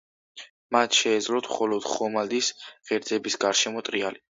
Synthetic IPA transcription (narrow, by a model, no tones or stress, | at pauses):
mat̪ʰʃɛːd̪zlɔt̪ʰmχɔlɔd̪̥χɔmad̪isʁɛɾd̪zɛbisɡaɾʃɛmɔt̪ʼɾiali